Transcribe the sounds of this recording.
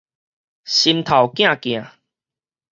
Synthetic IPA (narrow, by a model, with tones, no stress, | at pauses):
ɕi˧mt̪ʰa˨˩wkj̃ã˥˨kj̃ã˨˩